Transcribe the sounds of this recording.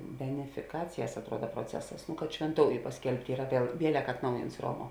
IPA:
bʲɛnʲɛfʲɪˈkɑːt͡sʲɪjɛs ɐtˈruɔdɐ proːˈt͡sʲæːsɐs kɐt ʃʲʋʲɛnˈtoːʊjʊ pɐsʲˈkʲɛlʲpʲtʲ ˈiːrɐ ɐˈpʲiɛ ˈʋʲiɛlʲɛk ɐtˈnɐʊjɪnts ˈroːˌmuɔ

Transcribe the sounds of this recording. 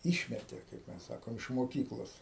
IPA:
ˈɪʃʲmʲɛtʲeː kɐɪp ˈmʲɛs ˈsɑːkoːm ɪʃ moːˈkʲiːklˠoːs

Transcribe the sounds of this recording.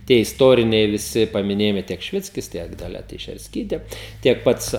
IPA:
tʲiɛ ɪsˈtoːrʲɪnʲɛɪ ʋʲɪˈsʲɪ pɐmʲɪˈnʲeːjɪmɐɪ tʲiɛk ʃʲɪˈʋʲɪt͡sʲkʲɪs ˈtʲiɛk dɐˈlʲɛ tʲɛɪʃʲɛrʲsʲˈkʲiːtʲeː ˈtʲiɛk ˈpɐts

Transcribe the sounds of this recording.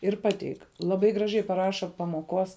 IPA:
ɪr ˈpɑːtʲɛɪk lˠɐˈbɐɪ ɡrɐˈʒʲɛɪ pɐˈrɑːʃɐ pɐmoːˈkoːs

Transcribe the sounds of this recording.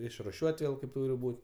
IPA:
ɪʃrʊˈʃʲuɔtʲ ˈʋʲeːlˠ kɐɪp ˈtuːrʲɪ ˈbuːt

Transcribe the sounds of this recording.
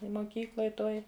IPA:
ɪ moːˈkʲiːklˠoːj ˈtoːj

